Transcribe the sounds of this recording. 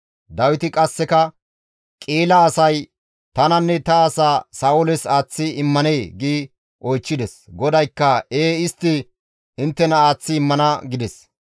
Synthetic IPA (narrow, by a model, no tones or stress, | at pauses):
d̪ɐwɪt̪ɪkʼɐsːɛkɐ | kʼiːlɐːsɐj | t̪ɐnɐnːɛt̪ɐɐsaːsɐːʊlɛsaːt͡sːɪɪmːɐneːɡiː | ʔɔjt͡ʃːɪd̪ɛsɡɔd̪ɐjkːɐeːɪst̪ːɪ | ɪnt̪ːɛnɐaːt͡sːɪɪmːɐnɐɡɪd̪ɛs